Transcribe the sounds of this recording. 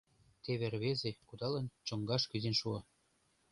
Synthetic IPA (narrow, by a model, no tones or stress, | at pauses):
t̪eβerβezekud̪ɑlɤ̆nt͡ɕɤ̆ŋɡɑʃkyzenʃuɑ